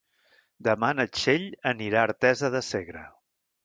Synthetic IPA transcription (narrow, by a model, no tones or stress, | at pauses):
d̪əmanət͡ʃeʎəniɾaːɾt̪ɛzəðəseɣɾə